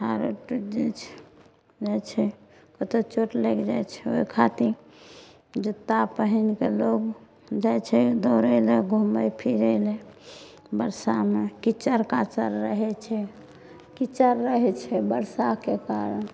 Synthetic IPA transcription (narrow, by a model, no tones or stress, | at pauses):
ɦaɾoʈud͡ʒet͡ʃʰ | d͡ʒat͡ʃʰɛ | kət̪ot͡ʃoʈlɛkd͡ʒajt͡ʃʰɛo̰ikʰat̪iɾ | d͡ʒət̪ːapəɦinkeloɡ | d͡ʒajt͡ʃʰɛd̪oɾəleɡʱuməjpʰiɾəle | bəɾsamekit͡ʃəɾkat͡ʃəɾːəɦɛt͡ʃʰɛ | kit͡ʃəɾːəɦɛt͡ʃʰɛbəɾsakekaɾən